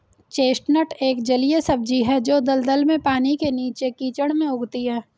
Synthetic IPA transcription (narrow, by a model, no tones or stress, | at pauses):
t͡ʃeːsʈnəʈeːkd͡ʒɐlijesɐb̚d͡ʒiɦɛd͡ʒoːd̪ɐld̪əlmẽpaːnikeniːt͡ʃekiːt͡ʃəɽ̃mẽʊɡt̪iɦɛː